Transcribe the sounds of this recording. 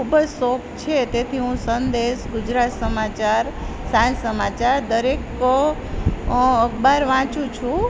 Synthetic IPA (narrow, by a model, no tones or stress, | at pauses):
kʰubəd͡ʒsokt͡ʃʰet̪et̪ʰiɦũsənd̪eʃɡʊd͡ʒɾat̪səmat͡ʃaɾsãnsəmat͡ʃaɾd̪əɾekːo | əkbaɾʋãt͡ʃũt͡ʃʰũ